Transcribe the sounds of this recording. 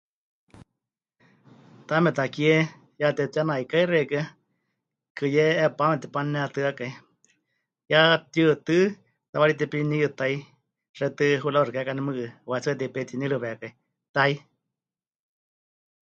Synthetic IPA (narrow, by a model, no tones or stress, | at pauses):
t̪amɛt̪akie | jat̪ɛt̪janaikairekɨ | kɨjɛːpamɛt̪ɛpanɛat̪ɨakai | jat̪jɨt̪ɨ | t̪aβaɾit̪ɛpiniɨt̪ai | rɛt̪ɨɦulaɾkakanɛmɨkɨwat͡sɨt̪ɛpet̪inilɨβɛakai | t̪ai